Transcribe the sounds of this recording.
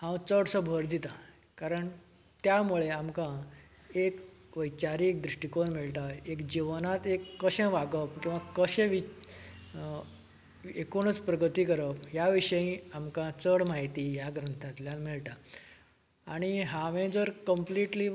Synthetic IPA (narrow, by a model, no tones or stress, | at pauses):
hãwt͡səɽsəbʱəɾd̪it̪a | kaɾəɳ | t̪jamuɭeamkã | ek | ʋəjt͡ɕaɾiek̚d̪ɾuʂʈikonmiɭʈ̪aekd͡ʑiʋnat̪ekːəɕɛ̃ʋaɡəpkĩw̃ʋakəɕẽʋi | ekuɽ̃ət͡spɾəɡət̪iːkəɾəpɦjaʋiɕəĩamkãt͡səɽmaɦit̪ijaɡɾənt̪ʰat̪ljanmiɭʈa | ɽ̃iɦãʋẽd͡zəɾkəmpliʈli